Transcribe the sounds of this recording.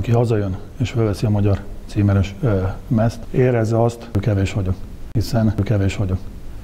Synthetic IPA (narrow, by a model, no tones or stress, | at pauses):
ɒkiɦɒzɒjøn | eːʃfølvɛsiɒmɒɟɒrt̪siːmɛnɛʃmɛst̪eːɾɛzːɛɒst̪kɛveːʃʋɒɟokhisɛnkɛveːʃʋɒɟok